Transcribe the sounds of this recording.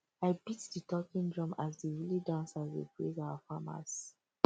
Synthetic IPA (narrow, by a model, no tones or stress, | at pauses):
aɪbitditɔkĩndɹɔ̃mazdiɹilidãnsazwḭpezaʊwafama̰s